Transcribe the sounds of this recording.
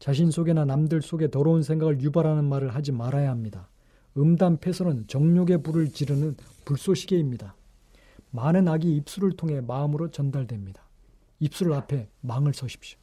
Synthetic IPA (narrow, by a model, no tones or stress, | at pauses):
t͡ɕaɕ̬ʰinsʰoɡenanamdɯɭs͈oɡe̞tʌɾʌuns̬ʰeŋɡaɡɯɭjubaɾɦanɯnmaɾɯɭɦad͡ʑimaɾajaɦamɲida | ɯmdampʰe̞sʰʌɾɯnt͡ɕʌŋɲoɡe̞buɾɯɭt͡ɕiɾɯnɯnpuɭs͈oɕʰiɡe̞imɲida | manɯnaɡiːp̚s͈uɾɯɭtʰoŋɦe̞maɯmɯɾot͡ɕʌndaɭdwe̞mɲid̥ḁ | ip̚s͈uɾɯɭapʰe̞maŋɯɭs͈ʰʌɕʰi̥p̚ɕ͈jo̥